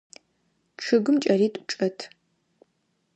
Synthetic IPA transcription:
ʈ͡ʂʰɨɡɨmt͡ʃʼɐriːtʼʊʈ͡ʂʼɐtʰ

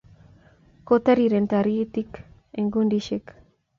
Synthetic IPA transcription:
kot̪aɾiɾent̪aɾit̪ik | eŋɡundiʃek

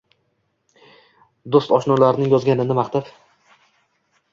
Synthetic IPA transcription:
d̪ost̪ɒʃnɒlaɾɪnɪŋjɒzɡʲanɪnɪmaχt̪ap

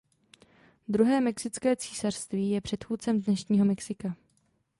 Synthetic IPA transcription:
d̪ɾuɦɛːmɛksɪt͡skɛːt͡siːsar̥st̪viːjɛpr̝̥ɛt̪xuːtt͡sɛmdnɛʃɲiːɦo̞mɛksɪka

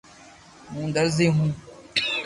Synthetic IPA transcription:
mũːnd̪ɐɾziɦũː

